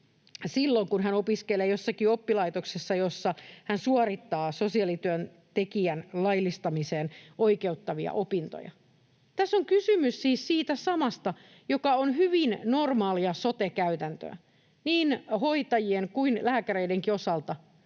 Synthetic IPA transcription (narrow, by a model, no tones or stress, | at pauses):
silːoŋkunɦænopiskeleːjo̞sːɑkiopːilɑit̪oksesːɑjo̞sːɑhænsuɑɾit̪ːɑːso̞siɑlit̪yøn | t̪ekiænlɑjlist̪ɑmiseːnoike̞ut̪ːɑʋiɑ̰ʔopint̪o̰jɑ̰ | t̪æsːoŋkysymyssiːssiːt̪æsɑmɑst̪ɑ | jo̞kɑonɦyʋinno̞rmɑːliɑsot̪ekæyt̪ænt̪ø̰ː | niːnho̞it̪ɑjieŋkuinlæːkæɾeideŋkio̞sɑlt̪ɑ